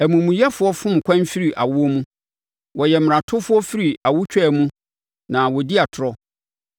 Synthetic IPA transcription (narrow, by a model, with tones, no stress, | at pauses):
æ˨mũ˨mũ˨jɛ˦fʊ˦ɔ˦fʊ̃˦m̩˨kʷʰã˦nfi˦ɾi˨ʔa̰˨wʊ˦ɔ˦mũ˦ | wɔ˨jɛ˨m˨ɾã˨tʰʊ˦fʊ˦ɔ˦fi˦ɾi˨a˨wʊ˦t͡ɕᶣɛ˦˨mũ˦ | nã˨wɔ˨di˦a˨tʰʊ˨ɾɔ˦